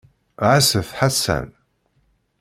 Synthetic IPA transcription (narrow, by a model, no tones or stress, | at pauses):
ʕasəfħasæ̰n